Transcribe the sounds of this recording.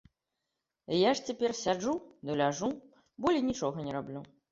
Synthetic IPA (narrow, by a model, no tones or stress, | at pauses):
jaʂt͡sʲɛpʲɛrsʲad͡ʐud̪ɔlʲaʐu | bɔlʲinʲit͡ʂɔɣɐnʲɛɾablʲu